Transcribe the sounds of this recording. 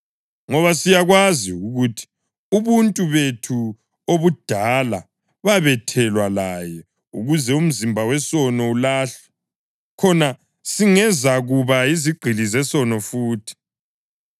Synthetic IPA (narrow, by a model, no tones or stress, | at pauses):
ŋɔβasijaɣwaziuɣutʰi̥ | uβuntʼuβetʰu | oβud̥ʱala | βaβɛtʰɛlwalajɛ | ṵɣuzɛum̩zimbʱawɛsɔnɔulaːɬɛ̥ | kʰɔna | siŋɛzaɣuβaiziɡ͡ǃ̥ʱilizɛsɔnɔfuːtʰi̥